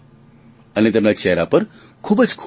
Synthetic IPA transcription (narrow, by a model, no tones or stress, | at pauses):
ənit̪emlat͡ʃɛɦɾapəɾ | kʰuːbəd͡ʒkʰ